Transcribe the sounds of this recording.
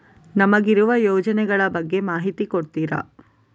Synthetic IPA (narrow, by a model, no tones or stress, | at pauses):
nɐmɐɡiɾuʋɐjoːd͡ʒɐnɛɡɐɭɐbɐɡːe̞maːɦit̪ikoɽt̪iːɾɐ̰